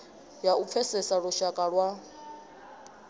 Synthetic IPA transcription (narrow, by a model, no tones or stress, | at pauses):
jaup̪fʰɛsɛsaɺuʃakʼaɺwa